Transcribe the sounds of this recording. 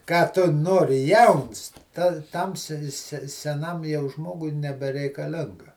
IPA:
ˈkɑː tʊ ˈnoːrʲɪ ˈjɛʊns ˈtɐ ˈtɐm sʲɛ sʲɛ sʲɛˈnɐm jɛʊ ˈʒmoːɡʊɪ nʲɛbʲɛrʲɛɪkɐˈlʲɪŋɡɐ

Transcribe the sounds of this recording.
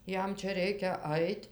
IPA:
ˈjɛm ˈt͡ʃʲɛ ˈrʲɛɪkʲɛ ˈɐɪtʲ

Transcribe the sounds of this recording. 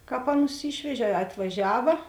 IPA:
ˈkɑːp ˈɑːˌnʊs ˈiːʃʲʋʲɛʒʲeː ɐ ɐtʋɐˈʒʲæːʋɐ

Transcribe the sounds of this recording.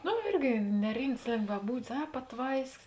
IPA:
ˈnʊ ˈɪrʲɡʲɪ nʲɛˈrʲɪmts lʲeːŋɡʋɐˈbuːdʲɪs ˈɐ pɐˈtʋɐɪsʲkʲɪs

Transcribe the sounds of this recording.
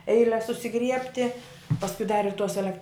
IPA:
ˈɛɪlʲɛs sʊsʲɪˈɡrʲiɛpʲtʲɪ pɐsˈkʊɪ dɐr ɪr toːs ɛˈlʲɛk

